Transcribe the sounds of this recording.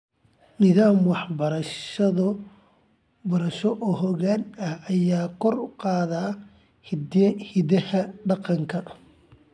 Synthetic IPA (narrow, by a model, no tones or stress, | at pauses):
nɪðaːmwɑħbɐɾɐʃɐðɐ | bɐɾɐʃɔʔɔːɦɔɣaːnɐɐjaːkʰɔrʊqɑːðaː | hɪdɐhɐɖɑqɑŋkʰɐ